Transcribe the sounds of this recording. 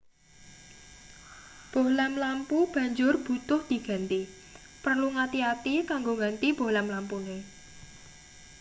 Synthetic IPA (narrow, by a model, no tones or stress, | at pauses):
b̥ohlɛmlampub̥ä̤ɲd͡ʒʊrb̥ut̪ʊhd̪̥i̤ɡ̥a̤nt̪i | pərluŋat̪iat̪ikaŋɡoŋant̪ib̥o̤hlɛmlampune